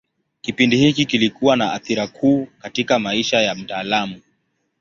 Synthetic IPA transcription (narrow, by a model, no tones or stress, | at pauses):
kipindihikikilikuwanaaθiɾakʰuːkatikamaiʃajam̩taːlamu